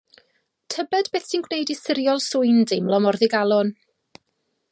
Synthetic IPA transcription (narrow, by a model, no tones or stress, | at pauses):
tʰəbɛdbeːθsinɡwnejdisɪɾjɔlˠsʊɨndɪmlˠɔmɔrðɪɡalˠɔn